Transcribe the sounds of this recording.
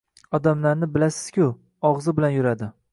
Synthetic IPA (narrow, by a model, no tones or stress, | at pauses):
ɒd̪amlaɾnɪbɪlasɪ̥z̥kʲʰʊ | ɒʁzɪbɪlanjʊɾad̪ɪ